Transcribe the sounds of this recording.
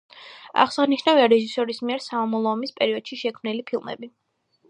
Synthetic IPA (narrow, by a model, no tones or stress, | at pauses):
a̰χsaʁniʃnaviaɾɛʒisɔɾismiɛɾsamamɔlˠɔːmispʼɛɾiɔd̪̥ʃiʃɛkʰmnilipʰilˠmɛ̰bi